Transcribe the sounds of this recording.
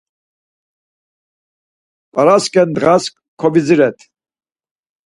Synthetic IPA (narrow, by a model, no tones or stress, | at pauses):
pʼaɾaskʼɛnd̪ʁask̚ʼ | kʰɔbid͡ziɾɛt̪ʰ